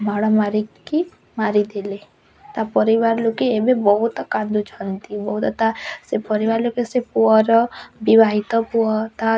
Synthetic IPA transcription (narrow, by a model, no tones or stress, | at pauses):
maɽɔmaɾi | i | maɾid̪ele | t̪apɔɾiʋaɾlokeːbebɔɦut̪ɔkãnd̪ut͡ʃʰɔnt̪ibɔɦut̪ɔt̪asepɔɾiʋaɾlokesepuɔɾɔbibaɦit̪ɔpuɔt̪a